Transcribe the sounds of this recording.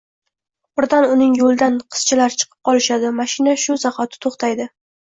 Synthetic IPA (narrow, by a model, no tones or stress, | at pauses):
ʊɾd̪anʊnɪŋjolˠd̪anqʰɨ̥z̥t͡ʃʰɪlaɾt͡ʃʰɨ̥qʰɨ̥p̚qʰɒlˠɪʃad̪ɪmaʃɪnaʃʊzaχat̪ʰɪ̥t̪ʰoχt̪ʰajd̪ɪ